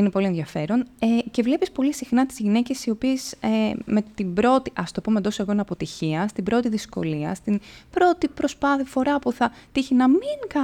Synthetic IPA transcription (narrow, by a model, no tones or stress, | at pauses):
inepo̞lieðʝɐfe̞ɾo̞nece̞vle̞pispo̞lisixnɐt̪i̥zʝine̞ce̞sio̞piesemet̪imbɾo̞t̪iʔɐst̪o̞pomend̪o̞soeɣo̞ineɐpo̞t̪içiɐst̪ibɾo̞t̪iðisko̞̰liɐ̰st̪inb̥ɾo̞t̪ipɾo̞spɐθifo̞ɾɐpuθɐt̪içinɐmiŋkɐ